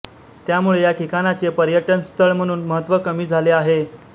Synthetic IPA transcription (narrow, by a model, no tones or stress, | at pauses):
t̪jamuɭejaʈʰikañat͡sepəɾjəʈənst̪ʰəɭm̤əɽ̃uːnməɦət̪ːʋəkəmiːd͡zʱaleaɦe